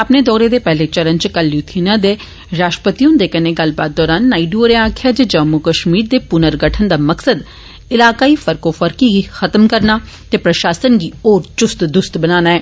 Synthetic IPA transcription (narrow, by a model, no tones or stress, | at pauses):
əpneːd̪ɔːɾeːd̪eːpɛɦlet͡ʃəɾənt͡ʃkəlːjut̪ʰiːnãd̪eː | ɾaːʃʈəpət̪iõd̪eːkəneɡəlbaːt̪̚d̪ɔːɾaːnːaːiɖuɾeaːkʰjaːd͡ʒed͡ʒəmukəʃmiːɾd̪eːpʊnəɾɡəʈʰənd̪aːməksəd̪ | ɪlaːkaːiːfəɾkoːfəɾkiɡixət̪əmkəɾnaː | t̪eːpɾəʃaːsənɡiːoːɾt͡ʃʊst̪d̪ʊst̪bənaːnaːɛː